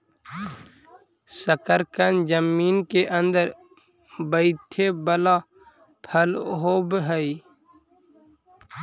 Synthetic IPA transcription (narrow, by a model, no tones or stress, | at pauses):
səkəɾkənd͡ʒəmːiːnkeʔə̃nd̪əɾ | bəɪt̪ʰebəla | pʰəlɦoːbɦəi